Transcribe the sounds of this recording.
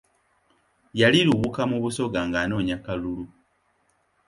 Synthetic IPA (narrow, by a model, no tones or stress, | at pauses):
jaliɾuβukamuβuso̞ɡaŋɡano̞ːɲakalulu